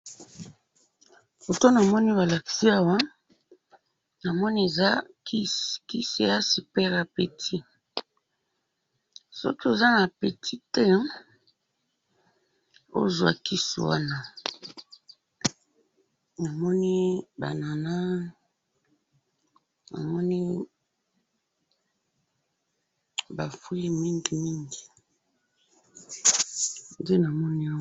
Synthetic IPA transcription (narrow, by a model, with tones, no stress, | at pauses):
bo˨to˦na˨mɔ˦ni˦ba˨la˨ki̥˨si˦a˦wa˦ | na˨mɔ˦ni˦e˨za˦ki˦˨ki˦se˨ja˦si˨pɛ˦ʁa˨pe˨tʰi˦ | sɔ̰˦ki˦e˨za˦na˨pe˨tʰi˦tɛ˦ | o̰˦˨zwa̰˨ki˦sṵ˨wa̰˦na˦ | na˨mɔ˦ni˦ba̰˨na˨na˦ | na̰˨mɔ˦ni˦ | ba˨fu˦ji˦mi˦ŋɡi˨mi˦ŋɡi˨ | nde˦na˨mɔ˦ni˦a˦